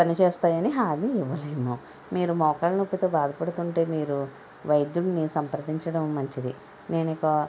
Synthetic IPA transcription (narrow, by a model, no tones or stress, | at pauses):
pɐnit͡ʃeːst̪aːjɐniɦaːliiʋːɐleːmu | miːɾumɔːkaːlɐnopːit̪oːbaːd̪ʱɐpɐɽut̪uɳʈe̞ːmiːɾu | ʋɐjd̪junːisɐmpɐɾɐd̪iɲt͡ʃɐɽɐmːɐɲt͡ʃid̪i | ne̞ːnikɐ